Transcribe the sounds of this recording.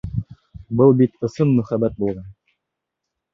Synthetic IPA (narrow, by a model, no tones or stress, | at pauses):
bɤlˠbit̪ɤ̆sɤnmɵ̆χæbæt̪̚bulˠʁɑn